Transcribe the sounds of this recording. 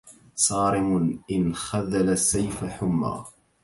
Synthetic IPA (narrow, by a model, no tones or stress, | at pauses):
sˤɑːɾɪmʊʔɪnxaðalasːajfaħʊmːa̰ː